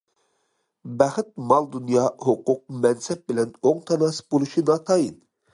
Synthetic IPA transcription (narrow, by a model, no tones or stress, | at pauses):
bɛχɪt̪̚mɑlˠd̪unjɑːhoqʊq̚mɛnsɛp̚bɪlɛnoŋt̪ʰɑnɑsɨ̥bolˠuʃinɑt̪ʰɑjin